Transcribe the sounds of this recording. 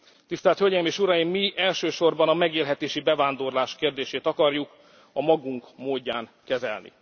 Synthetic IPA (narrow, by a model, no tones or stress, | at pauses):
t̪ist̪ɛːlt̪høɟɛjimeːʃuɾɒjimːiʔɛlʃøːʃo̞rbɒnɒmɛɡeːlɦɛt̪eːʃibɛvaːnd̪o̞rlaːʃkeːrd̪eːʃeːt̪ɒkɒrjuk | ɒmɒɡuŋkmoːɟːaːŋkɛzɛ̰lnḭ